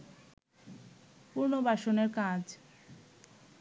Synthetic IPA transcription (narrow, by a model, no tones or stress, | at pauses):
puɾnobʱaʃoneɾkãd͡ʑ